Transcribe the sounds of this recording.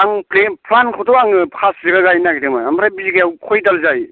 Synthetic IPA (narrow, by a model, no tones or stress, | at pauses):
aŋplepʰlankʰɔtʰɔaŋkʰaszeɡaɡajnaɡidemaamɾabiziɡajawkʰɔjdalzaj